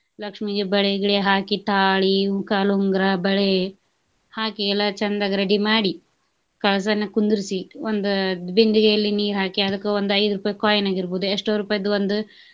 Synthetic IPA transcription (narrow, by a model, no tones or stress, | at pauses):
lɐkʂmid͡ʒebɐɭeɡiɭeɦaːkiʈ̪aːɭikaːluŋɡɾabɐɭe | haːkiɛlːɐt͡ʃɐnd̪aɡɾɐɖimaːɽi | kɐɭɐs̬ɐɐnːɐkund̪uɾisiond̪ud̪bind̪iɡejɐlːiniːɾɦaːkiɐd̪ɐkːuond̪uɐjd̪ɾupaːjɐkaːjɐnaːɡiɾboːd̪ueʂʈoɾupaːjɐd̪uʋond̪u